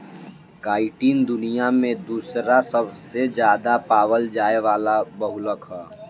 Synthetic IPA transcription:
kaːɪʈiːnd̪ʊnijamẽd̪uːsɾasəbʱsed͡ʒjaːd̪apaːwəld͡ʒaːeʋaːlabəɦʊləkɦɛː

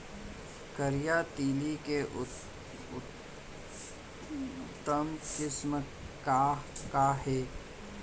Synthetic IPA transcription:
kəɾijat̪iːlike | ʊ | t̪ːəmkɪsm | kakaɦɛː

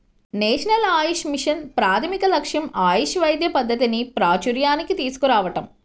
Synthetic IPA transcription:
neːʂɐnɐlaːjiʃmiʂɐnpɾaːt̪ʰɐmikɐlɐkʂjɐmaːjuʃʋɐjd̪jɐpɐd̪ʱːɐt̪inipɾaːt͡ʃuɾjaːnikit̪iːsu̥kuɾaːʋɐʈɐm

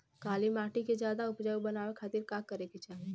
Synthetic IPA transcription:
kalimaʈiked͡ʒjad̪aupd͡ʒaubənaʋekʰaːt̪iɾkakːəɾeket͡ʃaɦe

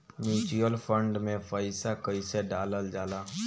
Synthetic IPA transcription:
mjuːt͡ʃuəlpʰə̃ɳɖmẽpʰəɪsakəiseɖaːləld͡ʒaːlaː

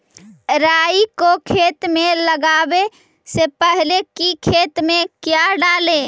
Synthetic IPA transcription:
ɾaːikokʰeːt̪mẽləɡaːbe | sepəɦlekikʰeːt̪mẽkjaɖaːle

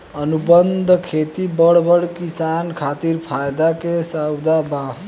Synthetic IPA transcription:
ənubənd̪ʱkʰet̪ibəɽbəɽkisankʰat̪iɾpʰajd̪akesawd̪abã

